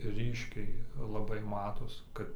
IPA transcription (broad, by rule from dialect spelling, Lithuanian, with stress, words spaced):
ˈrʲiːʃʲkʲɛɪ lˠɐˈbɐɪ ˈmɑːtoːs ˈkɐt